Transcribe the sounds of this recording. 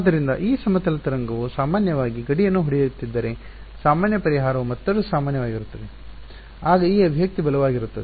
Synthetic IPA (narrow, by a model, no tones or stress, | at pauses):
d̪ɐɾind̪ɐ̰ʔiːsɐmɐt̪ɐlɐt̪ɐɾɐŋɡɐʋusaːmaːnjɐʋaːɡiɡɐɽijɐnːuɦoɽijt̪ːid̪ːɐɾe̞ | saːmaːnjɐpɐɾiɦaːɾɐʋumɐt̪ːɐɽusaːmaːnjɐʋaːɡiɾut̪ːɐd̪e̞ | aːɡɐiːɐbʱijɐk̚t̪ibɐlɐʋaːɡiɾut̪ːɐd̪e